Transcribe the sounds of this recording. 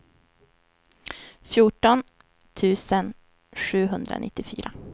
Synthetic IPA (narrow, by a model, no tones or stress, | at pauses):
fjʊʈɔn | t̪ʰʉ̟ːsən | ʂʉ̟ːɦɵnd̪ɾa̰nɪt̪ːɪfy̰ːɾa